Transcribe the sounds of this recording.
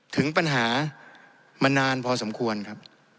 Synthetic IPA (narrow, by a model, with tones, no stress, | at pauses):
t̪ʰɯ˩˦ŋpa˧nɦaː˩˦ | ma˧nːaː˧npʰɔː˧so˩˦mkʰu˧ənkʰa˦˥p̚